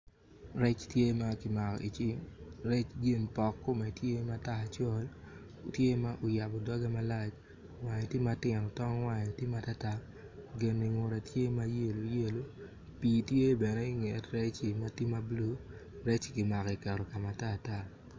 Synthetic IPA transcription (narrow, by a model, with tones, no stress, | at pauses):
ɾɛ˦t͡ʃtje˦ma˦kɪ˨ma˨kɔ̰˨ʔi˨t͡ʃɪ˦mɾɛ˦t͡ʃɡɪ˦˨npɔ˨kːʊ˦mɛ˨tje˦ma˦ta˦a˨t͡ʃɔ˦l | o˨tje˦ma˦ʔo˨ja˨bɔ˨dɔ˦ɡa˦ma˦la˦t͡ʃ | wa˨ɲe˨tje˦ma˦tɪ˨no˨tɔ˦ŋ˦wa˦ɲ˨tje˦ma˦ta˦ta˦ | ɡɪ˨ni˨ŋo˨ɾɛ˨tje˦ma˦je˦˨lo˨je˦lo˦ | pi˨tje˦bɛ˨nɛ˦i˦ŋe˨tɾɛ˦t͡ʃi˨ma˦ti˦ma˦blu˦ | ɾɛ˦t͡ʃkɪ˨ma˨kɔ˨i˨kɛ˨ɾɔ˨ka˨ma˨taː˦˨ta˦˨